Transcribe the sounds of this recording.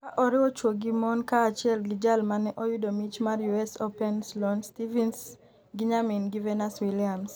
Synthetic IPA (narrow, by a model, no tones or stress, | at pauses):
kaʔɔɾɪɔt͡ʃwoɡimɔnkaːt͡ʃɪɛlɡɪd͡ʒalmanɛʔɔjudomit͡ʃmaɾjuɛsɔpɛnslɔnstivins | ɡiɲaminɡivɛnaswiliams